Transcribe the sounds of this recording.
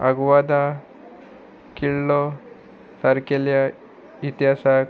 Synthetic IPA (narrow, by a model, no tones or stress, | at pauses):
a̰ɡuʋad̪a | kiɭːo | sɐɾkelja | it̪ɦasa